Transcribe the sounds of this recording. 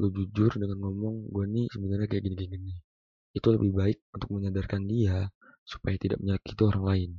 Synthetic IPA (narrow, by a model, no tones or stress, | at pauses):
ɡuad͡ʒud͡ʒʊrdəŋanŋɔmɔŋɡuanisəbənarɲakajaʔɡəniɡənɡəni | it̪uləbɪhbaɪk̚unt̪ʊk̚məɲadarkandia | su̥pajat̪ida̰ʔ̚məɲalakit̪uoɾaŋlaɪn